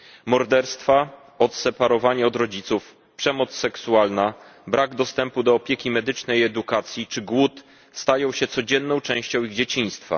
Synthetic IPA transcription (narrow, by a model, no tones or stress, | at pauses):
mɔɾd̪ɛɾst̪fa | ɔt̪sɛpaɾɔvaɲɛɔd̪ɾɔd͡ʑit̪suf | pʂɛmɔt̪sːɛksualnabɾaɡd̪ɔst̪ɛmpud̪ɔːpʲjɛkʲimɛd̪ɘt͡ʂnɛjɛd̪ukat̪sʲjit͡ʂɘɡwut̪ | st̪ajɔ̃w̃ɕɛt̪sɔd͡ʑɛnːɔ̃w̃t͡ʂɛ̃w̃ɕt͡ɕɔ̃w̃iɣd͡ʑet͡ɕĩj̃st̪fa̰